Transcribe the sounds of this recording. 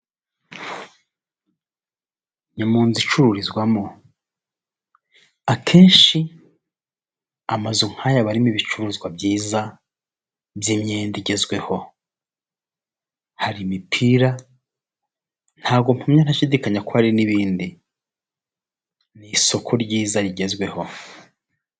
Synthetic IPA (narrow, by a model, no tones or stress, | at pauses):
ɲamuːnzit͡ʃuɾuɾizɡwamo | akʰeːnʃi | amazuŋ̥hajaβaɾimiβit͡ʃuɾuizɡwabjiːza | bjimɲeːndiɟe̞zɡwe̞ho̞ | haɾimipʰiɾa | n̥haːɡomumɲan̥aʃidikaɲakohaɾiniβiːndi | niso̞kʰoɾɟiːzaɾiɟe̞zɡwe̞ho̞